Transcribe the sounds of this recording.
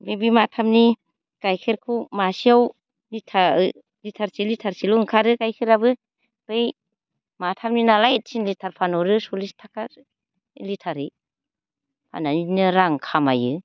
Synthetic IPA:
bibimatʰamni | kajkʰeɾkʰumasiaw | litʰa | litʰaɾsilitʰaɾsiluŋkʰaɾɯkajkʰɯɾabɯ | bɯj | matʰamninalajt̚sinlitʰaɾpʰanɔɾɯsulistʰakaɾ | litʰaɾɯ | pʰa̰nainɯɾaŋkʰamajɯ

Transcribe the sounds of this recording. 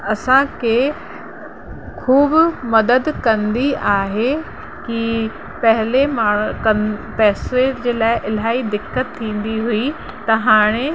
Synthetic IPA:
ɐsãkʰe | kʰuːbʊmɐd̪əd̪kɐ̃nd̪iʔaːɦe | ki | pɐɦɪlemaːkɐpɛːsed͡ʑeːlaːɪʔɪl̤aːid̪ɪkːət̪ʰːĩːn̆d̪iɦui | t̪ɐɦaːɽ̃e

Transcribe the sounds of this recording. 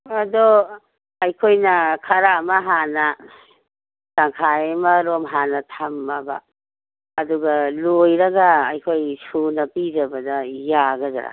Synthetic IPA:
ɐdo | ɐjkʰojnɐkʰɐɾamaɦanɐ | taŋkʰajemɐɾomɦanɐtʰamːɐba̰ː | duɡɐlojɾɐɡaːjkʰojsunɐpizɐbɐdɐjaɡɐza̰ɾa̰

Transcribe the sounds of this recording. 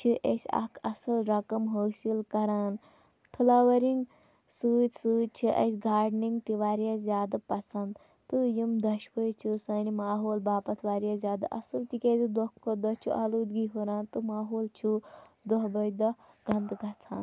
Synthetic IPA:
t͡ʃʰiʔḛsʲɐ̰kʰɐsɐlɾɐkɐmɦoːsilkɐɾaːn | t̪ʰɨlaːʋɐɾiŋɡ | sɨːd̪ʲsɨːt͡ʃʰiʔɐ̰sʲɡaːɾɖniŋɡt̪iʋaːɾjaːzʲaːd̪ɐpɐsɐnd̪ | t̪ɨjimd̪ɐʃbəjt͡ʃʰisanimaːɦoːlbaːpɐt̪ʰʋaːɾjaːzʲaːd̪a̰ʔɐ̰sɨlt̪ikʲeːd̪id̪ɔkʰːod̪ɐt͡ʃʰuʔaluːd̪ɡiɦoɾaːnt̪ɨmaːɦoːlt͡ʃʰud̪ɔɦbɐjd̪ɐ | ɡɐnd̪ɡʱɐt͡sʰa̰ːn

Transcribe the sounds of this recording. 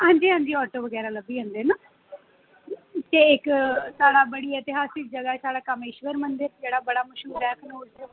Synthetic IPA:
ɦãːɲd͡ʒiːɦãːɲd͡ʒiːɔːʈoːʋəɡɛːɾaːləbiːɦə̃nd̪eːnãː | t̪eːɪksaːɽaːbəɽiːɛːt̪ɪɦaːsɪk̚d͡ʒəɡaːsaːɽaːkəmeʃʋəɾmənd̪əɾd͡ʒeːɽaːbəɽaːməʃɦuːɾɛːknoːɾ

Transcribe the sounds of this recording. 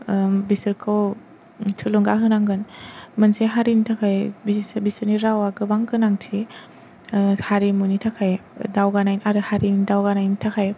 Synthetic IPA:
bisɯɾkʰɯw | tʰɯluŋɡaɦɯnaŋɡɯnmɯnseɦaɾintʰakʰajbisbisɯɾniɾawaɡɯbaŋkɯnaŋtʰi | haɾimunitʰakʰajdawɡanajnaɾɯhaɾindawɡanajnitʰakʰaj

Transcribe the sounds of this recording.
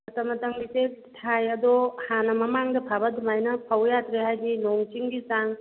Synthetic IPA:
ɐt̪ɐmɐt̪ɐŋbiset̪ʰajɐd̪ɔhanɐmɐmaŋdɐpʰabɐd̪majnɐpʰɐwjat̪ɾeɦajɡinɔŋt͡ʃiŋɡisaŋ

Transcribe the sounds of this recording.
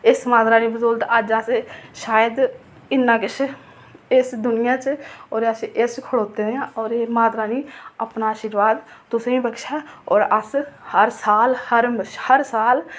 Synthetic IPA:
ɪsmaːd̪ɾaːniːbəzolt̪əd͡ʒəsʃaːjəd̪ | ɪnːãːkɪt͡ʃʰ | ɪsd̪ʊnɪjãːt͡ʃɔːɾəsʔest͡ʃkʰəɽoːt̪eneãːɔːɾeːmaːd̪ɾaːniːəpnaaːʃiɾʋaːd̪t̪ʊsẽːĩːbəkʃaːɔːɾəshəɾsaːlhəɾʃhəɾsaːl

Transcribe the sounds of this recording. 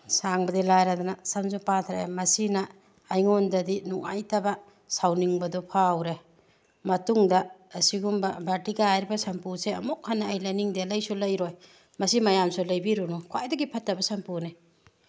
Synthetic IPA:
saŋbɐdilajɾadɔnasɐmzupatʰɾḛmɐsinɐː | jŋondɐdinuŋa̰jtɐba | sawniŋbɐdɔpʰawɾe | mɐtuŋdɐːsiɡumbɐbaɾtiɡɐajɾibɐsɐmpuseɐ̰mukʰːanːaːjlajniŋdelɐjsulɐjɾoj | mɐsimɐjamsulɐjbiɾunukʰwajdɐɡipʰɐtːɐbɐsɐmpuni

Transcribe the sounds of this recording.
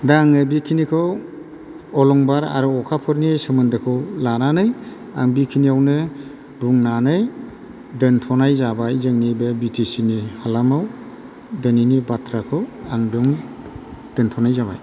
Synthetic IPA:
daŋɯbikʰinikʰɯw | ɔlɔŋbaɾa̰ɾuɔkʰapʰɯɾnisɯmɯndɯkʰɯwlananɯj | a̰ŋbikʰiniawnɯ | buŋnanɯj | dɯntʰɔnajzabajzɯŋnibebitʰisinihalamaw | dɯninibatʰɾakʰɯwaŋduŋ | d̥ɯntʰɔnajzaba̰j

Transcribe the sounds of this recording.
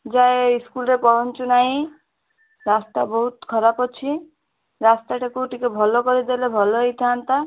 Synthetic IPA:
d͡ʒaeiskulɾepɔɦɔnt͡ʃunaɦĩ | ɾast̪abɔɦut̪kʰɔɾapɔt͡ʃʰi | ɾast̪aʈʰekuʈikebʱɔlokɔɾid̪elebʱɔloɦejt̪ʰiant̪a

